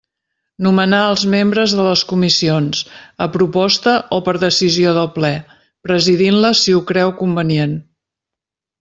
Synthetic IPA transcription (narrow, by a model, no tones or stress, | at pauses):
numənaəlˠzmembɾəzðələskumisionsəpɾupɔst̪əʔopəɾðəsizioðəlˠplɛ | pɾəziðinləsiukɾɛwkumbənien